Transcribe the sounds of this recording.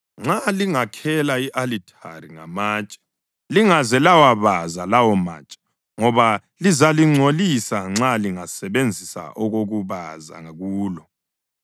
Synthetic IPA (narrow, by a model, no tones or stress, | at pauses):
ŋ͡ǁaliŋakʰɛlaiʔalitʰʼa̰riŋa̰maːt͡ʃʼḁ | liŋazɛlawaβazalawɔma̰t͡ʃʼḁ | ŋɔβa | lizaliŋ͡ǀʱolisaŋ͡ǁaliŋasɛβend͡zʱisa̰ʔɔɣoɣuβaza̰ŋaɣuːlɔ